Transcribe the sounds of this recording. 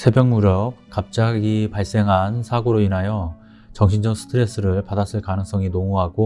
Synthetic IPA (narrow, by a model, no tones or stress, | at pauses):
sʰe̞bjʌŋmuɾjʌk̚k͈ːap̚t͡ɕ͈aɡipaɭs͈e̞ŋɦansʰaɡoɾoinɦajʌ | t͡ɕʌŋɕʰind͡ʑʌksʰɯ̥tʰɯɾe̞s͈ɯɾɯɭpadas͈ɯɭkanɯŋs͈ʌŋinoŋuɦaɡo